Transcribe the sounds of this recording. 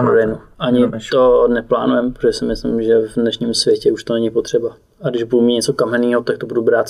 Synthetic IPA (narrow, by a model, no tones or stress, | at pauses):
pɾodɛjnuʔaɲɪtt̪onɛpla̰ːnujɛmpɾoʒɛsɪmɪslɪ̰mʒɛvdnɛʃɲɪmsvjɛcɛuʃt̪onɛɲɪpot̪r̝̥ɛba | ʔaɡdɪʒbudumiːɲɛt͡sokamɛniːɦot̪ak̚t̪obudubɾaːt̪